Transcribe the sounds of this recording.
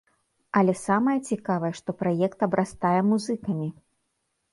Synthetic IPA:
ɐlʲɛsamɐjɐt͡sʲikavɐjɛʂt̪ɔpɾajɛkt̪ɐbɾʔast̪ajɛmuzɨkɐmʲi

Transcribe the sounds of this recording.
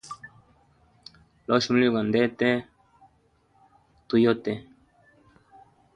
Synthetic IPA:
loʃmuliɡand̪et̪e | t̪ujot̪e

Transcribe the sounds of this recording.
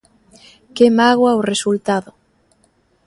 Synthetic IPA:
kemaɣwaoresult̪aðʊ

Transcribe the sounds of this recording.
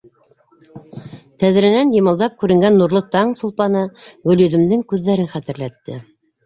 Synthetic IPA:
t̪æð̆ɾɘ̆nænjɤ̆mɤ̆lˠd̪ɑp̚kʉɾɘ̆ŋɡænːuɾlˠɤt̪ɑŋsŏlˠpɑnɤɡɵ̆ljɵ̆ðɘ̆md̪ɘŋkʉðːæɾɘnχæt̪ɘ̆ɾlæt̪ːɘ̰

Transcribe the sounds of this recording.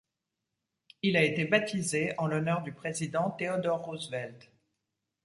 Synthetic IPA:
ilaet̪ebat̪izeɑ̃lɔnœʁd̪ypχezid̪ɑ̃t̪eɔd̪ɔʁːuzvɛlt̪

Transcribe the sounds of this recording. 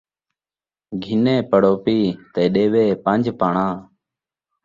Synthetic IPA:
ɡʱɪneːpəɽoːpiːt̪eːɗeːʋeːpənd͡ʒpaːɳãː

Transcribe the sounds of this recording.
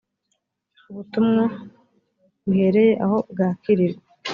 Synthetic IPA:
uβutumŋa | βuhe̞ɾe̞je̞ʔaho̞bɡaːkiɾiɾe

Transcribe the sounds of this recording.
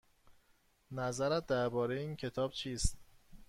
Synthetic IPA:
næzæɾæt̪̚d̪æɾbɒːɾejeiːncʰe̞t̪ʰɒːb̥t͡ʃʰiːst̪̚

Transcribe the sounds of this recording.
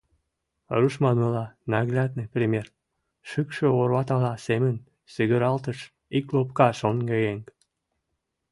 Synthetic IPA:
ruʃmɑnəlɑnɑɣlʲɑd̪̚neprʲimʲer | ʃɨkʃøorβɑt̪ɑlɑsemən | syɣəɾɑlt̪əʃ | iklop̚kɑʃonɡejeŋk

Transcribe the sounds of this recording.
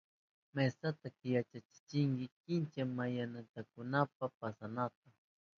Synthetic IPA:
mesat̪akjat͡ʃat͡ʃɪ̥t͡ʃɪŋɡɪkɪnt͡ʃamajanat̪akʊnap̚apasanat̪a

